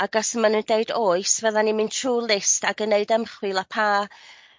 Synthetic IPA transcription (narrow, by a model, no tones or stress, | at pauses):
aɡasəmanundeɨdoːɨsvəðanimɪntʰruːlˠɪstaɡənːeɨdəmχwɪlˠapʰaː